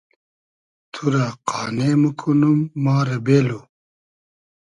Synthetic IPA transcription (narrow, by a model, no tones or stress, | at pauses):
t̪ʰuɾaqaːneːmukʰunumːaːɾɐbeːlo